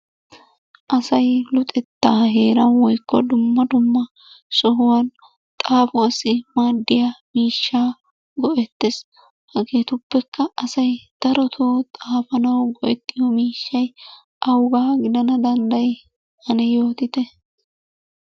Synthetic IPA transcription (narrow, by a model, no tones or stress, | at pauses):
ʔɐsɐjlʊt̪ʼɛt̪ːaːɦe̞ːɾɐnwɔjkːɔ̰d̪ʊmːɐd̪ʊmːɐ | sɔɦʊwɐn | t̪ʼaːfʊɐsɪmaːd̪ːɪjamiːʃːaː | ɡɔʔɛt̪ːes | hɐɡe̞ːt̪ʊbːɛkːɐːsɐjd̪̥ɐɾɔt̪ʰoːt̪ʼaːfɐnɐwɡɔʔɛt̪ːɪjɔmiːʃːɐj | ʔɐwɡaːɡɪd̪ɐnɐd̪ɐnd̪ɐj | hɐnɛjo̞ːt̪ɪt̪ɛ